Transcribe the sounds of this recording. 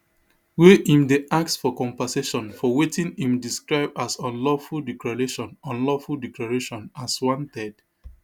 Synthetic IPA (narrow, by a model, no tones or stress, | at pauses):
weʔĩmdeʔak̚sfɔkɔ̃mpaseʃɔ̃nfɔwetʰĩnĩmdiskɹaɪbasɔ̃nlɔfuldɛklaɹeʃɔ̃nɔ̃nlɔfuldɛklaɹeʃɔ̃naswɔ̃ntɛd̥